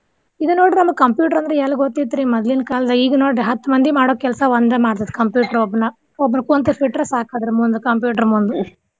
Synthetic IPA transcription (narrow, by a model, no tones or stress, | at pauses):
id̪unoːɽiɾnɐmɐɡʲkɐmpjuːʈ̬ɐɾɐnd̪ɐɾeelːɐɡot̪ːit̪ːɾimɐd̪linkaːlɐd̪ɐiːɡɐnoːɽɾeɦɐt̪ːumɐnd̪imaːɽoːkɛlsɐʋɐnd̪ɐmaːɽt̪ɐd̪kɐmpjuːʈɐɾɔbːɐnɐ | ɔbːɐnɐkont̪ufʰiʈɾɐsaːkaːd̪ɐɾemund̪ukɐmpjuːʈɐɾmund̪u